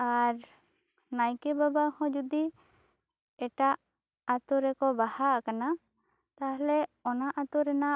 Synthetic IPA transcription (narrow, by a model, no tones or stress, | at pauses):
aɾ | najkɛbabahɔ̃d͡ʒud̪i | ɛʈaʔ | at̪ɔɾɛkɔbahaʔakana | t̪aɦlɛɔnaʔat̪uɾɛna